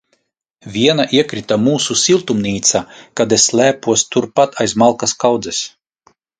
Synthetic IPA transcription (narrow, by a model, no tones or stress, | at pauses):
vʲiɛnaʔiɛkɾit̪amuːsusilˠt̪umnʲiːt̪sakad̪esːlʲæːpuɔst̪uɾpat̪ʰajsmalˠkaskawd̪zɛs